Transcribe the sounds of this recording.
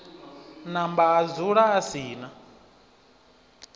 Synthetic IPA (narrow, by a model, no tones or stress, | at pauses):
nambaːd͡zuɺaːsiːna